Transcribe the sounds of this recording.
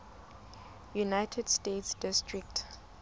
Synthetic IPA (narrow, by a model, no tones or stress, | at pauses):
junajtʰɛdstetsd̥ɪstɹik̚t